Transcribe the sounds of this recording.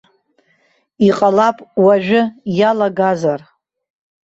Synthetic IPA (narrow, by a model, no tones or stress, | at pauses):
iqʼalapʼwaʒᶣʊjalaɡazar